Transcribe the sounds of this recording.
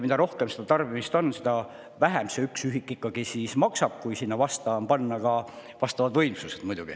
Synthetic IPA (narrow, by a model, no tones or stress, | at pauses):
mid̪ɑɾo̞hkemsed̪ɑt̪ɑrbimist̪o̞nːsed̪ɑ | væɦemseyksyɦikːˑikːˑɑɡ̥isiːsmɑksɑb̥̚kujsinːɑvɑst̪ɑmpɑnːɑkɑvɑst̪ɑvɑd̪vɤjmsused̪mujd̪uɡ̥i